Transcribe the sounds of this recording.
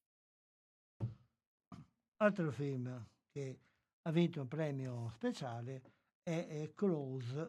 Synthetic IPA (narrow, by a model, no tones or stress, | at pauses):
alt̪ɾofilm | ke | avint̪uumpɾɛːmjospet͡ʃaːle | ɛkoloz